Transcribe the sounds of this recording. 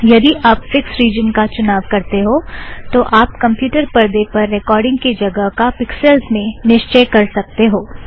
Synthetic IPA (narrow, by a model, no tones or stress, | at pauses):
jɐd̪iʔaːpfɪksɾiːd͡ʒənkat͡ʃʊnaːʋkɐɾt̪eɦoːt̪oʔaːpkɐ̃mpjuːʈəɾpɐɾd̪epɐɾːɛkɔːɾɖɪ̃ŋɡkid͡ʒɐɡəɦkapɪksɛlzmẽnɪʃt͡ʃɛːkɐɾsɐk̚t̪eɦoː